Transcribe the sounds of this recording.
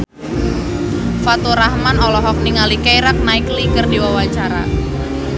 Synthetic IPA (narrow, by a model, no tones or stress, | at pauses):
fat̪uɾahmanɔlɔɦɔk̚niŋalikajɾak̚naɪklikərdiwawat͡ʃaɾa̰